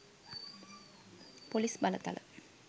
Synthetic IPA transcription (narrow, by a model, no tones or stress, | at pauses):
polisbɐlɐt̪ːɐ̰lɐ̰